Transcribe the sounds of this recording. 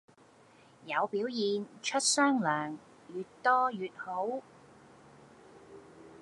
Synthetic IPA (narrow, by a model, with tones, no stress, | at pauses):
jɐ˨˧wpiː˨˥wjiː˨˧nt͡ʃʰɵ˥t̚sœː˥ŋlœː˨˩ŋ | jyː˨tt̪ɔː˥jyː˨t̚ho˨˥w